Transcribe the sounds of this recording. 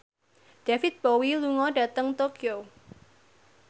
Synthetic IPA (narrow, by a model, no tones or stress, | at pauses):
ɖ̥afɪt̪̚b̥owiluŋɔɖa̤t̪əŋt̪okʰio